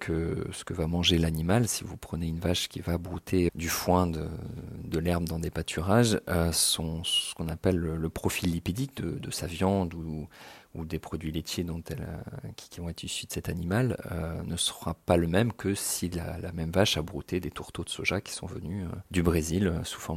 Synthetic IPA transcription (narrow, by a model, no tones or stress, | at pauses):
kʰəsə̥kəvamɑ̃ʒelanimalsivupχəneynvaʃkʲivabʁut̪ʰed̪yfwɛ̃d̪ə̰d̪əlɛʁmd̪ɑ̃d̪epat̪ʰyʁaʒøsɔ̃sə̥kɔ̃napɛlːəːəpχɔfilːipid̪ik̚d̪əd̪əsavjɑ̃d̪u | ud̪epχɔd̪ɥilet̪ʰjed̪ɔ̃t̪ɛlø̰k̪ʲkʲivɔ̃ɛt̪χisyd̪ə̥sɛt̪animalønəsəʁapaləmɛmkəsila̰lamɛmvaʃabʁṵt̪ed̪et̪uʁt̪od̪əsoʒakʲi̥sɔ̰̃və̰nyø̰d̪ybʁeziløsu̥fɔʁm